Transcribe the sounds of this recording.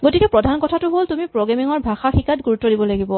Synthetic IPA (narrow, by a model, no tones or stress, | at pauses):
ɡotikɛpɹɔdʱankɔtʰatʊɦoltumipɹoɡɹamiŋɔɹbʱaxaxikatɡuɹutːɔdibɔlaɡibɔ